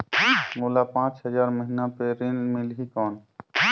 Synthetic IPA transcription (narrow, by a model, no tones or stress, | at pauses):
moːlapãːt͡ʃɦəd͡ʒaːɾməɦinapeɾɪnmɪlɦikɔːn